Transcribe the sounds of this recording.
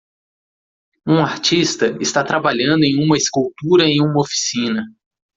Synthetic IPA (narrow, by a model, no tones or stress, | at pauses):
ũaɾt͡ʃist̪ɐɪst̪at̪ɾabaʎɐ̃nd̪ʊẽj̃ũmɐɪskuwt̪uɾɐẽj̃ũmɐofi̥sĩnɐ